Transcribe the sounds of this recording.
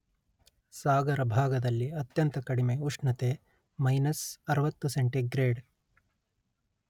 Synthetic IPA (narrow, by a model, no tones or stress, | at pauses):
saːɡɐɾɐbʱaːɡɐd̪ɐlːiɐt̪jɐnt̪ɐkɐɽimeuʂɳɐt̪eː | mɐjnɐsɐɾɐʋɐt̪ːuseɳʈiɡɾeːɖ